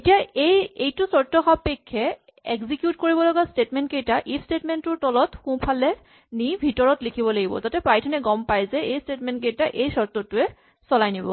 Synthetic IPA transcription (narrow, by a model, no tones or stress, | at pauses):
etijaejejtʊsɔtɔxapekʰːɛ | eɡzikjutkoɹibɔlɔɡastetmɛntkejtaʔipʰstetmɛntʊtɔlɔtxũpʰalɛ | nibʱitɔɹɔtlikʰibɔlaɡibɔ̰zatɛpɹajtʰɔnɛɡɔmpajzɛejstetmɛntk̬ejtaʔejsɔɹtɔtʊɛ | sɔlajnibɔ̰